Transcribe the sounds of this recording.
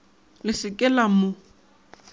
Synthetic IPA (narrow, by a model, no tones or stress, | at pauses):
lɪsɪkʼɛlamʊ